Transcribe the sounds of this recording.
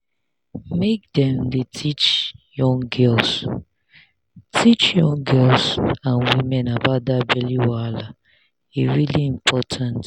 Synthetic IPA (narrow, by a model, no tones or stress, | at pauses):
mek̚dɛ̃mdetʰit͡ʃjɔ̃ŋɡɛls | tʰit͡ʃjɔ̃ŋɡɛlsãnwĩmɛ̃nabadabɛliwala | iɹiliĩmpʰɔtʰãnt